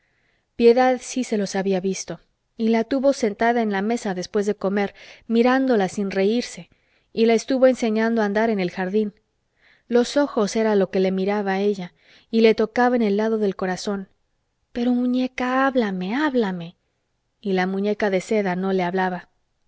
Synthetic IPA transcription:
pje̞ðaðsise̞lo̞saβiaβist̪o̞ | ilat̪uβo̞se̞nt̪aðae̞nlame̞saðe̞spwe̞zðe̞ko̞me̞ɾmiɾand̪o̞lasinre̞iɾse̞ | ilaest̪uβo̞e̞nse̞ɲãnd̪oand̪aɾe̞ne̞lxaɾðin | lo̞so̞xo̞se̞ɾalo̞ke̞le̞miɾaβae̞ʝa | ile̞t̪o̞kaβaene̞lːaðo̞ðe̞lko̞ɾaso̞n | pe̞ɾo̞mũɲe̞kaaβlame̞aβlame̞ | ilamũɲe̞kaðe̞se̞ðano̞le̞aβlaβa

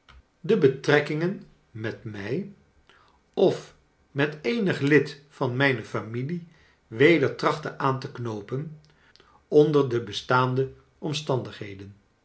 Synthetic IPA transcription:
dəbətrɛkɪŋən | mɛtmɛj | ɔf | mɛtejnəχlɪtfɑnmɛjnəfamili | ʋejdəɹtrɑχtəʔaːntəknowpən | ɔndəɹdəbəstaːndə | ʔɔmstɑndəχɦejdən

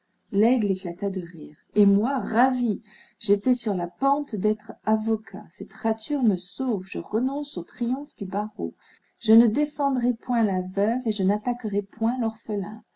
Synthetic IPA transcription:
lɛɡleklat̪ad̪əʁiːʁ | emwaʁavi | ʒet̪ɛsyʁlapɑ̃t̪d̪ɛt̪χavɔkʰa̰sɛt̪ʁat̪yʁməsovʒəʁənɔ̃sot̪χijɔ̃fd̪ybaʁo̰ | ʒ̥ənəd̪efɑ̃d̪ʁɛpwɛ̃lavœveʒənat̪akəʁɛpwɛ̃lɔʁfəlɛ̰̃

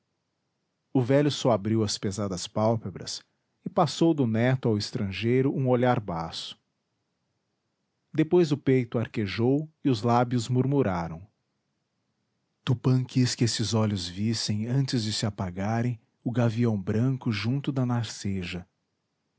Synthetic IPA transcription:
ʊvɛʎʊsɔabɾiwɐspezad̪ɐspawpebɾɐ̰s | ɪpasowd̪ʊnɛt̪ʊawɪst̪ɾɐ̃ʒejɾʊʔũoʎaɾbasʊ̥ | d̪epojzʊpejt̪ʊaɾkeʒowɪʊzlabjʊzmuɾmuɾaɾɐ̃w̃ | t̪upɐ̃kiskɪesɪzɔʎʊzvisẽj̃ɐ̃nt͡ʃɪzd͡ʒɪsɪapaɡaɾẽj̃ | ʊɡaviɐ̃w̃bɾɐ̃kʊʒũnt̪ʊd̪ɐnaɾseʒɐ

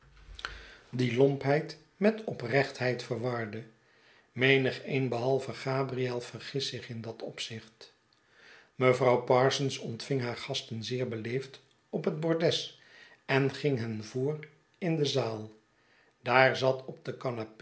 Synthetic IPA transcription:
dilɔmpɦɛjt | mɛtɔprɛχtɦɛjtfəɹʋɑɹdə | mejnəχejnbəɦɑlˠvəχaːbriɛlˠvərχɪsɪχɪndɑtʰɔpsɪχt | məvrɑwpɑɹsənsɔntfɪŋɦaːɹχɑstənzɪːɹbəlejft | ɔpɦəd̚bɔɹdɛs | ɛnχɪŋɦɛnvʊːr | ɪndəzaːlˠ | d̥aːɹzɑtʰɔb̚dəkɑnap

